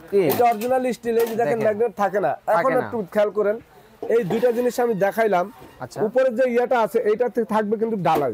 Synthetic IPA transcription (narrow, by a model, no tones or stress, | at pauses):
ejtɔɾd͡ʑunalisʈilekid͡ʑɛkʰenːɛɡneʈ̚t̪ʰakenaɛkʰonɛk̚ʈukʰɛlkɔɾen | ejd̪ujʈad͡ʑiniʃamid̪ɛkʰajlamʰupoɾed͡ʑeiaʈaat͡ɕʰeʔejʈat̪t̪ʰak̚bek̬int̪uɖalaj